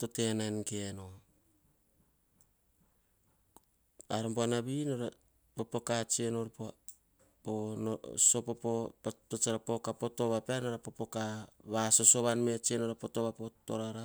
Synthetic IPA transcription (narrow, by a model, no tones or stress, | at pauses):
to̞te̞nankeno | aɾamboanaβinaɾa | popo̞kat͡ʃenoɾapoa | ponoso̞popopatot͡ʃaɾapokapo̞to̞βapeanaɾapopo̞kaβaso̞so̞βanme̞t͡ʃenoɾapo̞to̞βapoto̰ɾaɾa